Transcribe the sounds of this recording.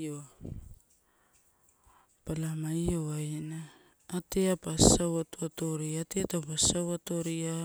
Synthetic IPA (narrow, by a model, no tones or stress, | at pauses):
o | palamajoainaː | teapasawatoatoɾiateatapasawatoɾia